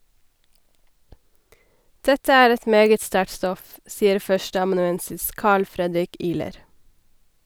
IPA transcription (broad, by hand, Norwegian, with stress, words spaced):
ˈdɛtə ˈæːɾ ˈɛt ˈmeːɡət ˈstæʈ ˈstɔf ˈsiːəɾ ˈfœʃʈəɑmɑnʉˌɛnsɪs ˈkɑːɭ ˈfɾɛdɾɪk ˈiːləɾ